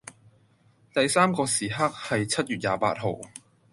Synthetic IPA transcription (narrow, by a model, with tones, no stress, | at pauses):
t̪ɐ˨jsaː˥mkɔː˧siː˨˩ɦaː˥k̚hɐ˨jt͡sʰɐ˥t̚jyː˨t̚jaː˨pa̰ː˧t̚ɦo˨w